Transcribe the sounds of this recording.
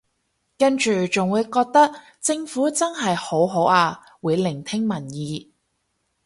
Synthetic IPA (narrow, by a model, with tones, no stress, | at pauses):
kɐ˥nt͡ʃyː˨˩t͡sʊ˨ŋwuː˨˧jkɔː˧k̚t̪ɐ˥k̚ | t͡sɪ˧ŋfuː˨˥t͡sɐ˥nɦɐ˨jho˨˥wɦo˨˥waː˧ | wuː˨˧˥jlɪ˨˩ŋt̪ʰɪ˥ŋmɐ˨˩njiː˨˧